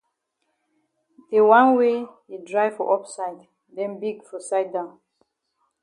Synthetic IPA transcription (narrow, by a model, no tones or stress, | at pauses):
dewãnwe | idɹaɪfɔʔɔpsaɪd | dɛ̃nbiɡfɔsaɪt̚dãʊ̃n